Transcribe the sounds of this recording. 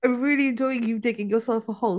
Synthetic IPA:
ɪ̃mɹiliɨ̃nd͡ʒɔɪɪ̃ŋjɨteɪkɪ̃ŋjəsɛlˠfəho

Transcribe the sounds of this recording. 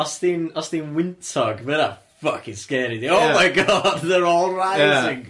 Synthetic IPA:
ɔsðinɔsðinwɪntʰɔɡvəða | fʌkʰɪ̃ŋskɛɾiðiomajɡɔd̚ðəɹɔːlˠɹaɪɪŋ

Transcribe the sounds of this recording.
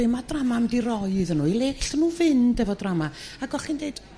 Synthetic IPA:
ɪmadramamdirɔɨɨðənuːilˠeːɬənuːvɪndɛvɔdramaaɡɔχindeɨd̥

